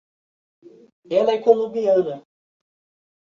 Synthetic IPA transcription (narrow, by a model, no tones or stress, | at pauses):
ɛlɐɛkolõbiɐ̃nɐ